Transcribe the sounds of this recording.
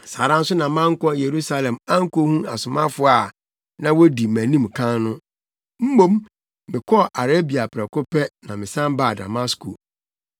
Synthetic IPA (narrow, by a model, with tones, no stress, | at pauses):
sa˨ɾã˦n̩˦sʊ˦nã˨mã˦ŋ̩˦kɔ̃˦je˨ɾu˦sa˦lɛ̃˨ma˦ŋ̩˦ko˦hũ˦a̰˨sʊ˨mã˦fʊ˨˦a˨ | nã˦wo˦di˨mæ̃˨nĩ˦mkʰã˦nnʊ̃˦ | m̩˦mõ˦mː | ɪ̃˨kʰɔ˦ʔa˨ɾe˦bi˨a˨pʰɾɛ˨kʊ˦pɛ˦nã̰˨mɪ̃˨sã˦mba˦˨da̰˨ma˦skʰo̰˨